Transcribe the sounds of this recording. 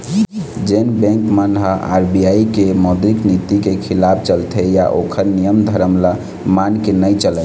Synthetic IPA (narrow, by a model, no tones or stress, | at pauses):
d͡ʒenbɛ̃ŋkmanɦaa̰ɾbijaikemɔd̪ɾiknit̪ikekʰilapʰt͡ʃəlt̪ʰɛjaʔokʰəɾnijəmd̪ʱəɾəmla | mankenəjt͡ʃəlɛ